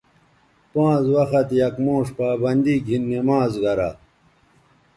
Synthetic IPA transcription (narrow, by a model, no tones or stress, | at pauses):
pãːzwɐxɐt̪jɐkmõːʂpaːbɐnd̪iɡʱinːemãːzɡɐɾa